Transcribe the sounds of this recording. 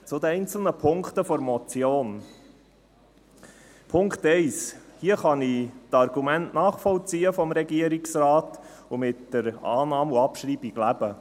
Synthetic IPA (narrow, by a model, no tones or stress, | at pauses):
t͡sʊd̪əɛɪjnt͡sl̩nəpʰʊŋkt̪əfɔɾmɔt͡sjoːn | pʰʊŋktɛɪshiəχɑnitɑɾɡ̥umæntnɑːχfɔlt͡siːəfɔmɾɛɡiəɾiksrɑːt | ʊmɪtd̥əɾɑ̰ːnɑːmuɑpʃɾiːb̥iɡ̥læb̥ə